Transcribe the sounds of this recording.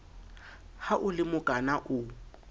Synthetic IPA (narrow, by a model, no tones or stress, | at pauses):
haʔʊlɪmʊkʼanaʔʊ